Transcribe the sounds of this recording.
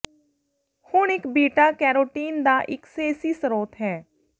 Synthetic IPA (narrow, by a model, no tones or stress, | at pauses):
hʊɳɪkbiːʈaːkɛːɾoːʈiːnd̪aːʔɪkseːsiːsəɾoːt̪ɦɛː